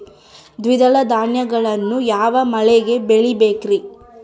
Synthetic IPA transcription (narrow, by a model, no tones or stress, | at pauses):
d̪ʋid̪ɐlɐd̪aːɳjɐɡɐɭɐnːujaːʋɐmɐɭɛɡe̞beɭibeːkɾi